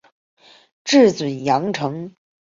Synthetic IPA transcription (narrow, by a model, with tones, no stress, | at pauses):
ʈ͡ʂɻ̩˥˩t͡swə˨˩njɑ˧˥ŋʈ͡ʂʰɤ˧˥ŋ